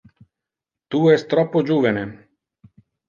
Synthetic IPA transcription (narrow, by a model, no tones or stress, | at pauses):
t̪uːɛst̪ɾɔpod͡ʒuʋɛnɛ